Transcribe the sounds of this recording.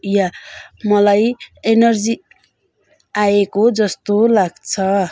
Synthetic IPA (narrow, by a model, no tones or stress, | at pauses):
jamʌlajenʌrd͡zi | aekod͡zʌst̪olaɡt͡sʰʌ